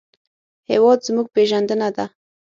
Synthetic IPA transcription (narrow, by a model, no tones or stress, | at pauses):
hewɑd̪zmuɡ̚peʒand̪ənad̪a